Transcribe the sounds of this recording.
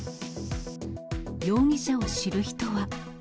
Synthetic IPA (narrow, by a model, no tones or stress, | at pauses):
jo̞ːŋʲiɕao̞ɕiɾɯ̟çi̥t̪o̞βa